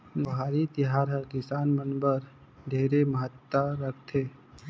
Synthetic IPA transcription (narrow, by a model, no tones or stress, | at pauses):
bɦaːɾit̪ɪɦaːɾɦəɾkɪsaːnmənbəɾ | d̪ʱeːɾeməɦət̪ːaɾəkʰt̪ʰeː